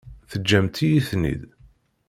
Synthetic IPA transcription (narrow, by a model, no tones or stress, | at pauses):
θəd͡ʒːæmt̪ijiθnḭd̪